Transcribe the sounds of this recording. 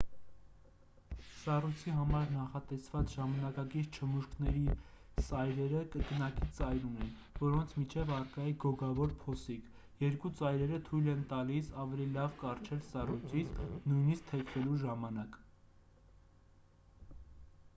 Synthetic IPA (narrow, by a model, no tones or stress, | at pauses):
sɑrujt͡sʰiɦɑmɑɾnɑχɑt̪ɛsvɑt͡sʒɑmɑnɑkɑkiɾt͡ʃʰəmuʃknɛɾi | sɑjɾɛɾəkəknɑkit͡sɑjɾunɛn | vɔɾɔnt͡sʰmit͡ʃʰɛvɑrkɑjiɡɔɡɑvɔɾpʰɔsik | jɛɾkut͡sɑjɾɛɾət̪ʰujlɛnt̪ɑlisɑvɛlilɑvkɑrt͡ʃʰɛlsɑrujt͡sʰit͡sʰnujniskt̪ʰɛkʰvɛluʒɑmɑnɑk